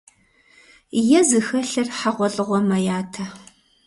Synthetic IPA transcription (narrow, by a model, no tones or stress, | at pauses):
jɛzɨxɐɬɐrħaʁʷɔɬʼɨʁʷɔmɐjaːtʰɐ